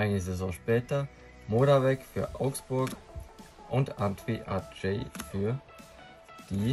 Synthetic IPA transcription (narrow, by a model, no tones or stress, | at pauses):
ʔaɪnəzezɔ̃ːʃpɛːtɐ | moːɾavɛkfyːɐʔa̰ʊksb̥ʊɐk | ʔʊntantviʔad͡ʒeːfyːɐ | d̥iː